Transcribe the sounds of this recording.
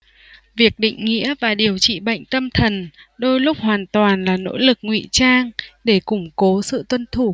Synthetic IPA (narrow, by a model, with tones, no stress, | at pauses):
vi˨˩ək̚ɗḭ˧˨ŋ̟ŋḭ˧˥əvaː˨˩ɗi˨˩əwt͡ɕḭ˧˨ɓa̰˧˨jŋ̟t̪ə˧mt̪ʰə˨˩nɗo˧jlʊ˦˥k͡p̚hwaː˨˩nt̪waː˨˩nlaː˨˩no̰˧˥lɨ˨˩k̚ŋwḭ˧˨t͡ɕaː˧ŋɗe˧˩kʊ˧˩ŋ͡mko˨˦sɨ̰˧˨t̪wə˧nt̪ʰu˧˩